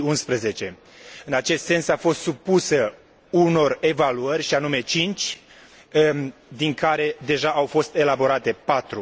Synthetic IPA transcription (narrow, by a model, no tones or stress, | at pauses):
unspɾəze̞t͡ʃe̞ | ɨnat͡ʃe̞st̪se̞nsafo̞st̪supusə | uno̞re̞valuərʲʃianume̞t͡ʃint͡ʃʲ | d̪iŋkaɾe̞d̪e̞ʒaawfo̞st̪e̞labo̞ɾat̪e̞pat̪ɾu